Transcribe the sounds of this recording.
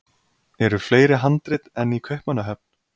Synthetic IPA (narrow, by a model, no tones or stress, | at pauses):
ɛɾʏfleːjɾɪɦant̪ɾɪt̪ɛnikʰvœhpmanːaɦɛp̚n̥